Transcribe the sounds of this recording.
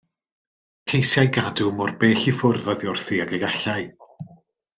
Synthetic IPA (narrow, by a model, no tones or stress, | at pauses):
kʰejsjajɡadumɔrbeːɬifʊrðɔðjʊrθiaɡəjaɬaj